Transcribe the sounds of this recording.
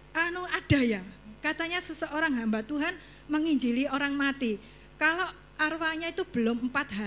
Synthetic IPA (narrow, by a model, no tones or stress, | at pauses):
ʔanuad̥a̤jakat̪aɲasəsəoɾaŋɦambat̪uɦan | məŋiɲd͡ʒilioɾaŋmat̪i | kalo | ʔarwaɲait̪ub̥ə̤lommpat̪̚ɦa